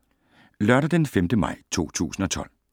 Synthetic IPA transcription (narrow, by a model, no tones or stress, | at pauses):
lɶɐɾɐd̥enfemd̥əmɑ̈ɪ̰t͡sʰo̝̰ːt͡sʰṵːsn̩ɒ̽t͡sʰɒ̽l̰